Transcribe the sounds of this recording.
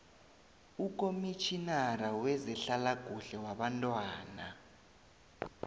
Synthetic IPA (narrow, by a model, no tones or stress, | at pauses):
ukʼomit͡ʃʰinarawɛzɛɬalaɡ̥ʱuɬɛwaɓantʼwaːna̰